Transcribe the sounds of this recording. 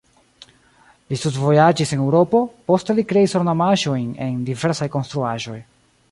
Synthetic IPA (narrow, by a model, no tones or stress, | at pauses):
listutvo̞jad͡ʒisenewɾo̞po̞po̞ste̞likɾe̞isoɾnamaʒo̞jne̞ndive̞ɾsajko̞nst̪ɾuaʒo̞j